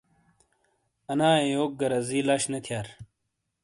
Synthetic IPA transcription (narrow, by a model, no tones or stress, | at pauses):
ɐnaːejoːk̚ɡɐɾɐziːlaːɕnɐt̪ʰjaːɾ